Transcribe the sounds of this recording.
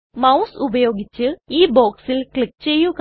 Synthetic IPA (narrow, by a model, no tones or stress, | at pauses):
mɐwsubɐjo̞ːɡit͡ɕːɨiːboːksilkɭik̚t͡ɕejːuk